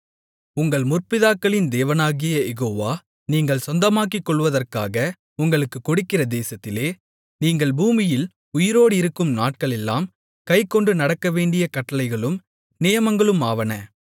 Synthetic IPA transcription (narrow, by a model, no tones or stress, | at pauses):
ʊŋɡɐɭmʊrpɪðaːkːɐɭɪnd̪eːʋɐnaːɣɪjɐjɛɣoːʋaː | niːŋɡɐɭsɔnd̪ɐmaːk̬ːikːɔɭːʋɐðɐrkaːɣɐ | ʊŋɡɐɭɯkːɯkːɔɽɯkːɪrɐd̪eːsɐt̪ːɪleː | niːŋɡɐɭbuːmɪjɪl | ʊjɪɾoːɽɪɾɯkːɯmnaːʈ̚kɐɭɛlːaːm | kɐɪkːɔɳɖɯnɐɽɐkːɐʋeːɳɖɪjɐkɐʈːɐlɐɪɣɐɭɯm | nɪjɐmɐŋɡɐɭɯmaːʋɐnɐ